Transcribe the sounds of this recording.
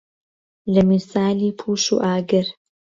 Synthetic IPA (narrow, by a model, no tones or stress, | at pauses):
lɐmisaːliːpʰuːʃṵːʔaːɡɨɾ